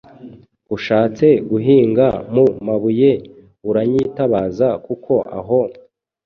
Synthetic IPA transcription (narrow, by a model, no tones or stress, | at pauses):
uʃaːt͡se̞ɡuɦiːŋɡamumaβuje̞ | uɾaɲitaβaːzakukʰo̞ʔa̰ɦo̞